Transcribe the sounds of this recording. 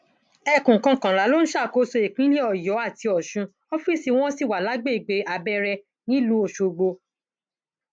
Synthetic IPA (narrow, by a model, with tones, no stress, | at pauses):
ɛ˦˨kũ˨kã˧kã˨la˨˦lo˦ñ̩˦ʃa˦˨ko˧˦so˧e˨kĩ˨˦le˦ɔ˦˨jɔ˨˦a˦˨ti˧ɔ˨ʃũ˧ | ɔ˦fi˦˨si˨˧w̃ɔ̃˦si˦˨wa˨la˨˦ɡ͡be˦i˨ɡ͡be˨˦ʔa˧bɛ˧ɾɛ˧ | nĩ˦lu˨˦o˨ʃo˨ɡ͡bo˧